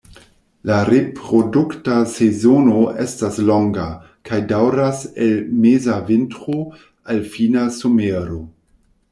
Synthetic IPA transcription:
laɾepɾoduktasezonoʔestasloŋɡa | kʰajdawɾaselmezaventɾo | alfinasomeɾo

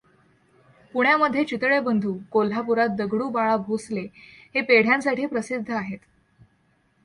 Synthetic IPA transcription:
puɳjaməd̪ʱjet͡ɕit̪ɭebənd̪ʱuːkol̤apuɾat̪̚d̪əɡɽuːbaɭabʱoslehepeɽ̤jãnsaʈʰiːpɾəsid̪ʱːəaɦet̪

